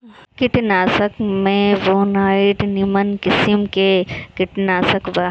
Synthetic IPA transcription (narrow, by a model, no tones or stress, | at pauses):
kɪʈnaːsəkmẽʋoːnaːiʈnimənkɪsimkekɪʈnaːsəkʋa